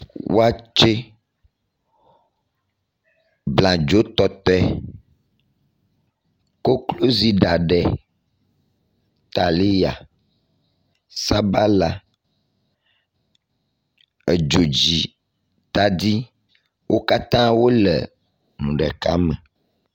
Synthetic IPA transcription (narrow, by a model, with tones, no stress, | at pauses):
wo̰˦a˦t͡ʃe˦ | blã˨d͡ʒo˦t̪ɔ˦t̪ɛ˦ | ko˦klo˦zi˦ɖa˨ɖɛ˨ | t̪a˨li˦ja̰˨ | sa˦ba˦la˨ | e˨d͡ʒo˨d͡ʑi˨ | t̪a˨d̪i˦ | wʔo˦ka˦t̪ã˦wo˦lɛ̰˨ | nũ˨ɖɛ̰˨ka̰˦mɛ̃˨